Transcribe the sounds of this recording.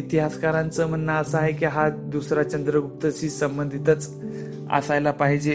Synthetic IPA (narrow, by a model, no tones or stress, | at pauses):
it̪iɦaskaɾãnt͡səm̤ənːəəsəaɦekiɦad̪usɾat͡ɕənd̪ɾəɡup̚t̪əɕiːsəmbənd̪ʱit̪ət͡s | a̰sajlapaɦid͡ʑe